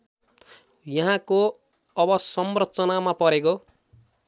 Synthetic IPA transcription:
jʌɦãko | ʌbʌsʌmrʌt͡sʌnamapʌɾeko

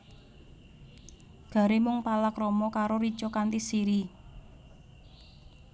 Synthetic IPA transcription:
ɡ̥a̤ɾemʊŋpalakrɔmɔkaɾoɾi̥t͡ʃɔkant̪isiɾi

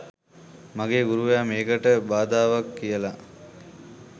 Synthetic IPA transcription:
maɡeːɡuɾuʋejameːkəʈəbaːd̪aːʋakːijəla

